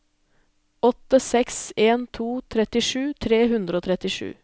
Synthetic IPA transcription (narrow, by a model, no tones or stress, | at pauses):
ɔt̪əsɛkseːnt̪ʰuːt̪ʰɾɛt̪ɪʂʉːt̪ʰɾeːɦʉnd̪ɾəoːt̪ʰɾɛt̪ɪʂʉ̰ː